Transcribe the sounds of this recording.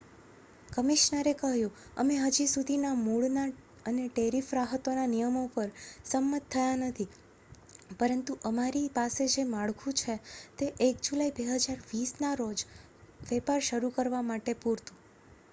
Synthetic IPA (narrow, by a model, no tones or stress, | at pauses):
kəmiʃnəɾekəɦjũə̰meɦəd͡ʒisud̪ʱinamuɭna | əneʈeɾifɾaɦət̪onanijəmopəɾsəmːət̪ʰːəjanət̪ʰi | pəɾənt̪uʔəmaɾipased͡ʒemaɭkʰũt͡ʃʰet̪eʔekd͡ʒulaibeɦəd͡ʒaɾʋisnaɾod͡ʒ | ʋɛpaɾʃəɾukəɾʋamaʈepuɾt̪ũ